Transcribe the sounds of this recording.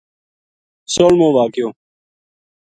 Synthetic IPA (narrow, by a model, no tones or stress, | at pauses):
soːlmõːʋaːkjoː